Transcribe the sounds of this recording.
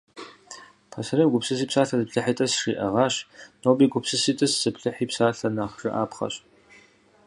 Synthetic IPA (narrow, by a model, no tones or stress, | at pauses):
pʰɐsɐrɐmɡʷʊpsɨs̬iːpsaːɬɐzɨpɬɨħitʼɐsʂiːʔɐʁɑːɕnoːbiːɡʷʊpsɨsiːtʼɨszɨpɬɨħiːpsaːɬɐnaːχʒ̥ɨʔa̰ːpχɐ̰ɕ